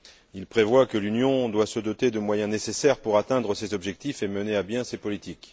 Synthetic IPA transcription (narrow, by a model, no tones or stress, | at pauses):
ilpχevwakəlynjɔ̃d̪wasəd̪ɔt̪ed̪əmwajɛ̃nesesɛʁpuʁat̪ɛ̃d̪ʁəsezɔbʒɛk̚t̪ifeməneabjɛ̃sepɔlit̪ik